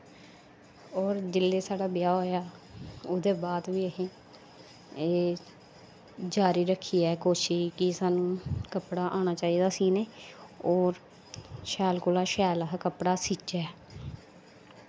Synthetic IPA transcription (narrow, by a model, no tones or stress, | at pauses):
ɔːɾd͡ʒɪlːeːsaːɖaːbɪjaːoːjaːʊd̪eːbaːd̪ʋiːəɦẽː | eː | d͡ʒaːɾiːɾəkʰːiːɛːkoːʃikɪsaːnũːkəpɽaːʔaːɽ̃aːt͡ʃaːiːd̪aːsiːneːɔːɾ | ʃɛːlkoːlaːʃɛːlɦkəpɽaːsit͡ʃɛː